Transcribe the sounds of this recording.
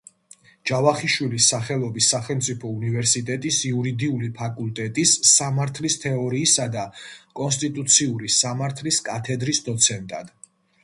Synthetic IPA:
d͡ʒ̥avaχiʃwilisːaχɛlˠɔbisːaχɛlˠmt̪sʼipʰɔunivɛɾsit̪ʼɛt̪ʼisiuɾid̪iulipʰakʼult̪ʼɛt̪ʼisːamaɾt̪ʰlist̪ʰɛɔɾiːsad̪akʼɔnst̪ʼit̪ʼut̪sʰiuɾisamaɾt̪ʰliskʼat̪ʰɛd̪ɾisd̪ɔt̪sʰɛnt̪ʼa̰d̪̥

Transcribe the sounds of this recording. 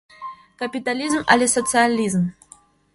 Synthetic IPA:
kɐpʲit̪alʲizmɐ̰lʲisət̪sɨalʲizm

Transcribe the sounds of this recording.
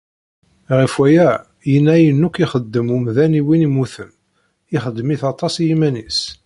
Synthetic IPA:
ʁifwæjæ | jənːæjənːukiχəd̪ːəmumðæniwinimuθəm | iχəd̪ːmiθɑt̪ˤːɑsjimænis

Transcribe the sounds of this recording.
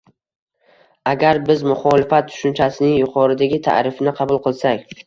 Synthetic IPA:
aɡʲaɾbɪzmʊχɒlɪfat̪̚ːʰʊ̥ʃʊnt͡ʃʰasɪnɪŋjʊqʰɒɾɪd̪aɡʲɪt̪ʰa̰ʔɾɪfɪnɪqʰɑbʊlˠqɨlˠsakʲ

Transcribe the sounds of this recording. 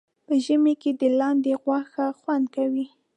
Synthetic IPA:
pəʒəmeked̪əlɑnd̪eɣwaxaxwand̪̚kawi

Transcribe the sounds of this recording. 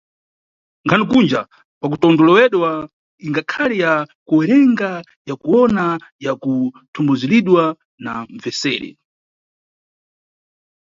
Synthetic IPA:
ŋkʰanikund͡ʒa | pak̬utɔndɔlɔwɛɗwa | iŋɡakʰalijakuwɛɾɛŋɡa | jakuɔnajaku | tʰumbuziliɗwa | naɱ̩vɛsɛːɾɛ̰

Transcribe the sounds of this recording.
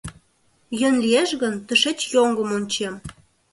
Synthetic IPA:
jø̆nlieʃɣənt̪ə̆ʃĕt͡ɕjoŋɡəmonʲt͡ɕem

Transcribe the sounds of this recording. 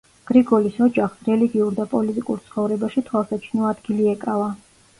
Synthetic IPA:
ɡ̥ɾiɡɔlisɔd͡ʒaχsɾɛliɡiuɾd̪apʼɔlit̪ʼikʼṵɾt̪sʰχɔvɾɛbaʃit̪ʰwasat͡ʃʰnɔad̪ɡiliɛkʼava

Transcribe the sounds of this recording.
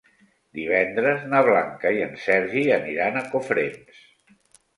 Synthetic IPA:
d̪iβ̞ɛnd̪ɾəznəβ̞laŋkəiənsɛɾʒiəniɾanəkofɾens

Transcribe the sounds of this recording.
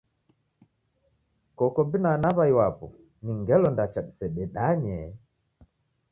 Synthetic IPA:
kɔkɔbinanaβajwapɔ | niŋɡɛlɔndat͡ʃaɗisɛɗɛɗaɲɛ

